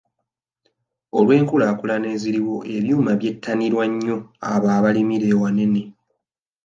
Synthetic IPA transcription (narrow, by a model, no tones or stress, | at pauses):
olwe̞ːŋkulaːkulane̞ːziɾiwo̞ʔe̞βjuːmaβje̞tʰːaniɾwaɲːo̞aβaːβalimiɾe̞ːwane̞ne̞